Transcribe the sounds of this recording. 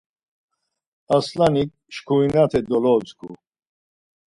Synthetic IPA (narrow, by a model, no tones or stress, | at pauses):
aslanik̚ | ʃkʰuinat̪ʰɛd̪ɔlɔt͡skʰṵ